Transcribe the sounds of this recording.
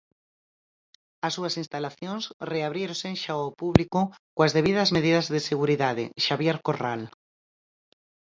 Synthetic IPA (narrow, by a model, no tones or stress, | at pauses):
ɐsːuɐsinst̪alaθjoŋsreaβ̞ɾjeɾõseŋʃaopuβlikʊkoazðeβiðɐzmeðiðɐzðeseɣuɾiðaðḛʃaβjeɾkoral